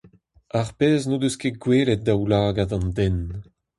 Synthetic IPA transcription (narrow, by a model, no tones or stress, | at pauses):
aʁpeːznod̪øskeɡweːlet̪̚d̪awlaːɡad̪ɑ̃nd̪ɛn